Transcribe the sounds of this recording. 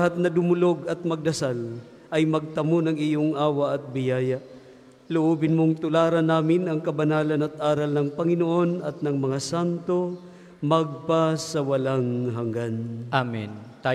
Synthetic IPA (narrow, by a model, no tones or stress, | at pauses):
ɦat̪̚nɐd̪ʊmʊloɡɐt̪̚mɐɡ̚d̪ɐsal | ʔɐjmɐɡ̚t̪ɐmonɐŋijoŋʔaːwɐʔɐt̪̚bɪjaːja | lʊʔuːbɪnmoŋt̪ʊlaːɾɐnːaːmɪnɐŋkɐbɐnaːlɐnɐt̪̚ʔaːɾɐlnɐŋpɐŋɪnoʔo̞nɐt̪̚nɐŋmɐŋasant̪o̞ | mɐɡ̚pasɐwɐlaŋɦɐŋɡanʔamɛnt̪a